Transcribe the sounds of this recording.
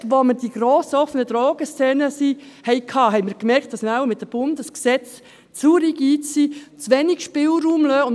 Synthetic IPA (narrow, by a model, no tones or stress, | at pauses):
ʋoməɾd̥iɡ̥ɾoːsəɔfənəd̥̪ɾɔːɡ̥əst͡sɛːnəsihɛɪkʰɑːɦɛɪmɪːɾkmɛɾkt̚d̥ɑsnawmɪt̚dəb̥ʊndəsksɛt͡s | t͡suɾiɡ̥iːsit͡sʋɛniɡ̥ʃpɪlɾuːmløːʊn